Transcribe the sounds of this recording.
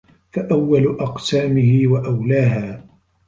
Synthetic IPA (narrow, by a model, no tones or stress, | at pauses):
faʔawːalʊʔɑqsaːmɪhɪwaʔawlaːɦaː